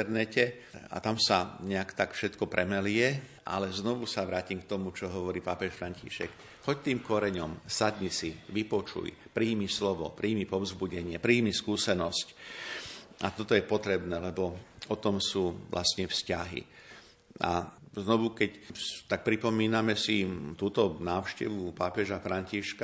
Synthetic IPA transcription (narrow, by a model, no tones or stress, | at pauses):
ɛɾnɛcɛ | a̰t̪amsaɲɛakt̪akfʃɛt̪kɔpɾʔɛmɛlɪɛʔa̰lɛznɔʋusaʋɾaːcimk̚t̪ɔmut͡ʃɔɦɔʋɔɾiːpaːpɛʃfɾaɲcḭːʃɛ̰k | xɔct̪iːmkɔɾɛɲɔmsad̪ɲisiʋipɔt͡ʃṵjpɾiːmislɔʋɔ̰pɾʔiːmipɔvzbuɟɛɲɪɛpɾiːmiskuːsɛnɔsc | at̪ɔt̪ɔjɛpɔt̪ɾɛbnɛːlɛbɔɔt̪ɔmsuːʋlʔa̰st̪ɲɛfscaɦḭ | a̰znɔʋukɛct̪ak̚pɾipɔmiːnamɛsit̪uːt̪ɔnaːʊʃcɛʋupaːpɛʒafɾaɲciʃka